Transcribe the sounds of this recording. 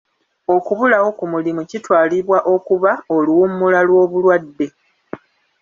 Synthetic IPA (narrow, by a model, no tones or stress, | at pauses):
o̞kuβulawo̞kumulimucitwaːliβwaʔo̞kuβaoluwumːulalwo̞ːβulwadːe̞